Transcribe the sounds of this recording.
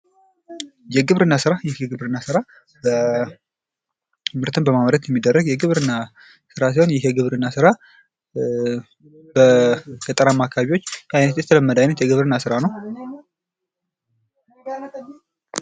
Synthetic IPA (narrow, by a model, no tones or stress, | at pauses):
jɛɡɨβɾɨnːasɨɾajɛhjɛɡɨβɾɨnːasɨɾa | bə | t̪ɨmɨɾt̪ʰɨnbəmamɾət̪jɛmːid̪ːərːəɡjɛɡɨβɾɨnːa | sɨɾas̬iho̞njɛɦjɛɡɨβɾɨnːasɨɾa | bəkʰət̪ʼəɾamːakʰaβiwo̞t͡ʃːajnət̪jɛt̪ʰələmːəd̪əajnət̪jɛɡɨβɾɨnːasɨɾanəw